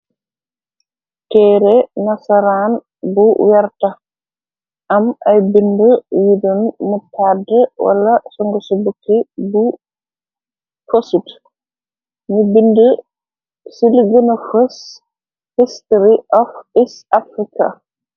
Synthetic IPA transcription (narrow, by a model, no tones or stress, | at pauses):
kɛɾɛnasaɾan | buwɛɾta | ʔamʔajbindəwidɔnmɔtʰadɛwa̰lasɔŋɡɔsɔbukːibu | fosut | mibində | siliɡənɔfos | histɾiʔɔfisafɾika̰